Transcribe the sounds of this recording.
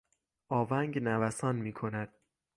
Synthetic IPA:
ʔɒːvæŋɡnævæsɒːnmiːkʰo̞næd̪̥̚

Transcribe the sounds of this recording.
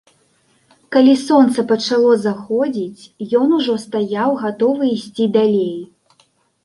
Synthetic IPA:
kalʲisɔnt̪sɐpɐt͡ʂalˠɔzaxɔd͡zʲit͡sʲjɔnuʐɔst̪ajawɣat̪ɔvɨisʲt͡sʲid̪alʲej

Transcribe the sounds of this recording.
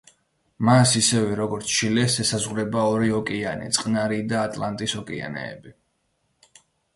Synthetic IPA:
masisɛvɛɾɔɡɔɾt̪sʰʃilɛsɛsazʁvɾɛbaɔɾiɔkʼianḭt̪sʼqʼnaɾid̪aːt̪ʼlˠant̪ʼisɔkʼia̰nɛ̰ːbi

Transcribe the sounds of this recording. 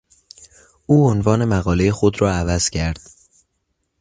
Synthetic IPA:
uːonvɒːne̞mæɣɒːlejexo̞d̪ɾɒːævæz̥cʰæɾd̪̥

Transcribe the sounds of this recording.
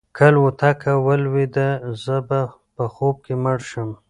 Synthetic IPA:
kʰəlwut̪ʰakʰawəlwed̪əzəba | pəxob̚keməɽʃəm

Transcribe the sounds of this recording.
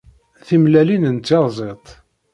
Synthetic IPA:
θimlælinənt͡sːeɾˤzˤet̪ˤ

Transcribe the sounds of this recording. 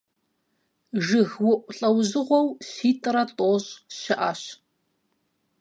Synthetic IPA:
ʒɨɣwʊʔʷʼʊɬʼɐwʑɨʁʷɔwɕiːtʼɨɾɐtʼoːɕʼʃɪʔaɕ

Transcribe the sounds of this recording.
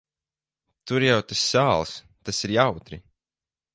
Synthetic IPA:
t̪uɾjawt̪asːaːlˠs | t̪asiɾjawt̪ɾi

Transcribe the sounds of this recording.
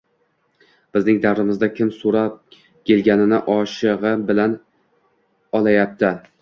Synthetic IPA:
b̥ɪznɪŋd̪awɾɪmɪzd̪akʲʰɪmsoɾap̚ | kʲʰe̞lɡʲanɪnɪʔɒʃɪʁɨbɪlan | ɒlˠajap̚t̪ʰɪ

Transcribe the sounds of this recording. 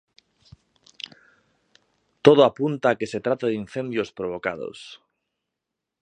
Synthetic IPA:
t̪oð̞oapunt̪aːke̞se̞t̪ɾat̪aðinθe̞nd̪jospɾoβ̞o̞ka̰ð̞o̰s

